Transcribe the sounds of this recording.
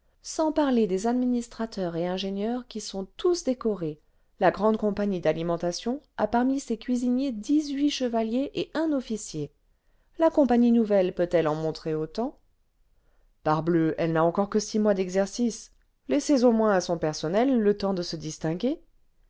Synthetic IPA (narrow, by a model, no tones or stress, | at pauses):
sɑ̃paʁled̪ezad̪minist̪χat̪œʁeɛ̃ʒenjœʁkʲisɔ̃t̪usd̪ekɔʁe | laɡʁɑ̃d̪kɔ̃paɲid̪alimɑ̃t̪asjɔ̃a̰paʁmisekʲɥizinjed̪izɥiʃəvaljeʔeʔɛ̃nɔfisje | lakɔ̃paɲinuvɛlpøt̪ɛlɑ̃mɔ̃t̪χeot̪ɑ̃ | paʁbløɛlnaɑ̃kɔʁkəsimwad̪ɛɡzɛʁsis | lɛsezomwɛ̃asɔ̃pɛʁsɔnɛlːət̪ɑ̃d̪əsəd̪ist̪ɛ̃ɡʲe